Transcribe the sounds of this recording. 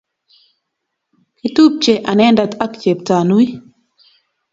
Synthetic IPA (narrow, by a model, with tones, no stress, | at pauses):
ki˨˦tu˦p̚t͡ʃe˨ʔa˨nɛ˦nda˨t̪a˦kt͡ʃe˨p̚ta˨nu˦i˦